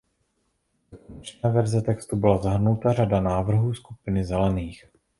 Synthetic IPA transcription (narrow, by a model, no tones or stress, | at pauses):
t͡ʃnɛːvɛɾzɛt̪ɛkst̪ubɪlazaɦr̩nut̪ar̝adanaːvr̩ɦuːskupɪnɪzɛlɛniːx